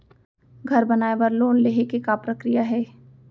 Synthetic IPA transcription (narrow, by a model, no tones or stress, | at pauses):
ɡʱɐɾbɐnaːebɐɾloːnleːɦekekapɾəkɾijaɦɛː